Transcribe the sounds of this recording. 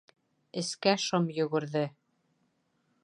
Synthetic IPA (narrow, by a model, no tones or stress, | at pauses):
ɘ̆skæʃomjɵ̆ɡɘ̆ɾðɘ